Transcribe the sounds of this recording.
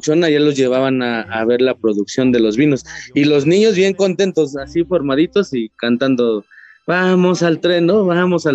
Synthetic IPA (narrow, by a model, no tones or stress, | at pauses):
t͡ʃonaʝalo̞zʝe̞β̞aβanaːβe̞ɾlapɾo̞ðuksjo̞nd̪e̞lo̞zβino̞silo̞znĩɲo̞zβje̞ŋko̞nt̪e̞nt̪o̞sasifo̞ɾmaðit̪o̞sikant̪and̪o̞ | βamo̞salt̪ɾe̞nnoβamo̞sa